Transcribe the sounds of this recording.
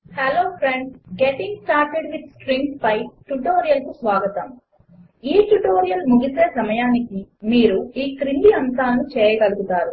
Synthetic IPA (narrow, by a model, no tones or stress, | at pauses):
heloːpʰɾeɳɖɡeʈiŋɡsʈaːɾʈeɖʋid̪̚sʈɾiŋspɐjʈuʈoːɾijɐlkusʋaːɡɐt̪ɐm | iːʈuʈoːɾijɐlmuɡiseːsɐmɐjaːnikimiːɾuiːkɾiɳɖiɐnt̪aːlɐnut͡ʃɛːjɐɡɐluɡut̪aːɾu